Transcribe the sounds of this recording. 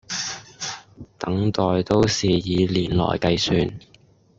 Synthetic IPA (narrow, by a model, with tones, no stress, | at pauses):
t̪ɐ˨˥ŋt̪ɔː˨jt̪o˥wsiː˨jiː˨˧liː˨˩nlɔ̰ː˨˩jkɐ˧jsyː˨˧n